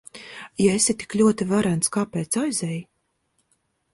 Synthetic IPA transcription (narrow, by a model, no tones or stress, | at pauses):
jaesʲit̪i̥klʲuɔt̪ivaɾænt̪skaːpɛːt̪sajzɛj